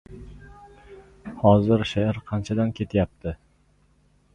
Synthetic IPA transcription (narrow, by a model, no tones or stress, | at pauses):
hɒzɪɾʃaɪɾqʰɑnt͡ʃʰad̪ankʲʰe̞t̪ʰjap̚t̪ʰɪ